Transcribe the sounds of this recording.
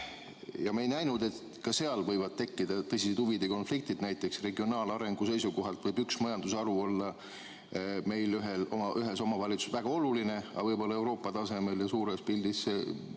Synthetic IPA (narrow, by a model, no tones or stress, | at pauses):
jɑmejnæjnud̪̥e̞t̪ | kɑse̞ɑlvɤjvɑd̪̥̚t̪e̞kːid̪̥ɑt̪ɤsʲised̪uvid̪eko̞nflik̚t̪id̪̥næjt̪ːˑe̞ksre̞ɡio̞nɑːlɑɾe̞ŋɡ̥use̞jsuko̞ɦɑlt̪vɤjbyksmɑjɑnd̪usɑɾuo̞lːɑ | me̞jlyɦelo̞̰mɑʔyɦe̞so̞mɑvɑlʲit̪su̥svæɡ̥ɑo̞luline̞ɑ̰vɤjbo̞lːɑe̞wɾo̞ːpːˑɑt̪ɑse̞me̞ljɑsuːɾe̞spild̪is